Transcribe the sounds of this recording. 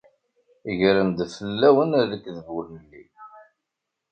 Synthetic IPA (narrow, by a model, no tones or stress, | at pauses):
əʝɾəmd̪fəlːæwənðəkːðəvʊɾnəlːḭ